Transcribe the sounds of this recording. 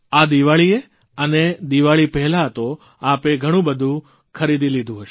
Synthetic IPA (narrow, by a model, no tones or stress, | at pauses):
ad̪iʋaɭie | əned̪iʋaɭipɛɦlat̪o | apeɡʱəɽ̃ũbəd̪ʱũ | kʰəɾid̪ʱilid̪ʱũɦəʃe